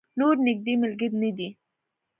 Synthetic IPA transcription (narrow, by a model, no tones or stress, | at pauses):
noɾnɪɡ̚d̪imɪlɡɪd̪nid̪i